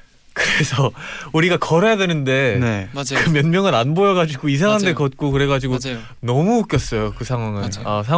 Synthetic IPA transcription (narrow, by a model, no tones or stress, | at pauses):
kɯɾe̞sʰʌuɾiɡakʌɾʌjadwenɯnde̞nkɯmjʌnmjʌŋɯɾanbojʌɡad͡ʑiɡois̬ʰaŋɦandekʌt̚k͈okɯɾe̞ɡad͡ʑiɡo | nʌmuːk͈jʌs͈ʌjokɯsʰaŋwaŋɯnas̬ʰa